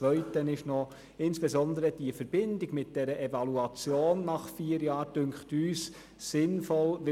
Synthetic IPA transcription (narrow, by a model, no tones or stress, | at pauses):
ʋœʏtənɪʃnɔ | ɪnsb̥ezɔnd̪əɾəd̥iəfəɾbɪndɪɡmɪt̚d̥ɛɾəʔevɑluɑt͡sjoːnːɑχfiːəɾjɑːɾd̥ʏŋkχtyːs | sɪnfɔlʋɪ